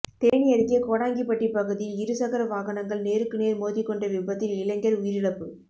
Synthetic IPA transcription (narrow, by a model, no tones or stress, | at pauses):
t̪eːɳɪjɐɾkɪjɐkoːɽaːŋɡipːɐʈːipɐɣɯðiɪɾɯsɐɣɐɾɐʋaːɣɐnɐŋɡɐɭneːɾɯkːɯneːɾmoːðɪkːɔɳɖɐʋɪbɐt̪ːɪlɪlɐŋɡɐɾʊjɪɾɪɭɐpːɯ